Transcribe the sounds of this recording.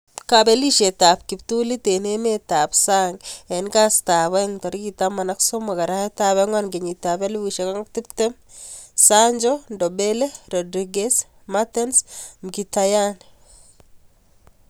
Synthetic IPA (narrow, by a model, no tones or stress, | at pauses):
kabeliʃetapkiptulitenemetapsaŋɡenkastaβɛŋtɔɾikitamanaksomakaɾahetaβɛŋwanɡeɲitabelwiʃekaŋak̚tip̚temsaɲd͡ʒɔndɔbeleɾɔdɾiɡes | matɛnsmkitajan